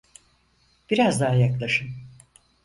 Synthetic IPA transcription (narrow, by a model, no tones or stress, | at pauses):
b̥iɾazd̪aɦajaklˠaʃɯm